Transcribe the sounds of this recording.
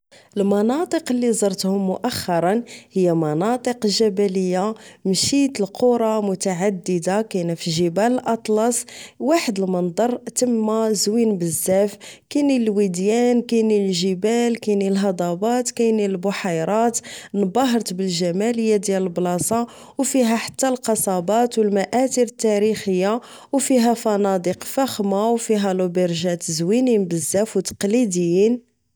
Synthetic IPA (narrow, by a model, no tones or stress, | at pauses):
ʔəlmɑnɑt̪ˤəqəlːizˤɑɾˤt̪hʊmːʊʔæxːɑɾˤɑnhəjːæmɑnɑt̪ˤəqəlʒæbæləjːamʃit̪əlqʰuɾˤɑmʊt̪aʕad̪ːəd̪akænæfiʒəbæləlʔɑt̪ˤlɑsˤwaħəd̪əlmənd̪ˤɑɾˤt̪əmːæzwinbəzːæfkænilwid̪jænkænilʒəbælkænilɦɑd̪ˤɑbɑt̪kæjniəlbʊħɑjɾˤɑt̪nbɑɦəɾˤt̪bəlʒæmæləjːad̪jæləlblɑsˤɑ | wfiɦæħḁt̪ːælqɑsˤɑbɑt̪wəlmæʔæt̪iɾət̪ːæɾixəjːa | wfiɦæfɑnɑd̪iqfæxmawfiɦælubəɾʒæt̪zwininbəzːæfwt̪ɑ̥qlid̪əjːin